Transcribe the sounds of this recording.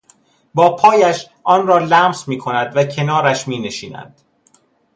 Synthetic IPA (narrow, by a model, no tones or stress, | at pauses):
bɒːpʰɒːjæʃ | ʔɒːnɾɒːlæːmsmiːkʰo̞næd̪væcʰe̞nɒːɾæʃmiːne̞ʃiːnæ̰nd̪̥